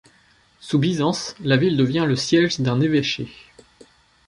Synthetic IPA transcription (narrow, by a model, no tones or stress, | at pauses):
subizɑ̃slavild̪əvjɛ̃ləsjɛʒd̪ɛ̃neveʃe